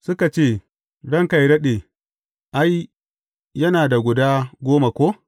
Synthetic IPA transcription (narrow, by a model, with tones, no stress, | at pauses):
sʊ˦ka˨t͡ʃeː˦˨ | ɽɐ˦ŋka˨jɽɐ˦ɗeː˨ | ʔa˦j | jːɐ˦naː˨da˨ɡʷʊ˨daː˦ɡʷoː˦ma˨kʷoː˦